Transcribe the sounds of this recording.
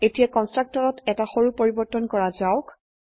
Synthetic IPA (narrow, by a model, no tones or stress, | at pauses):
etijakɔnstɹak̚tɔɹɔtɛtaxoɹupoɹibɔtɔnkɔɹazaʊk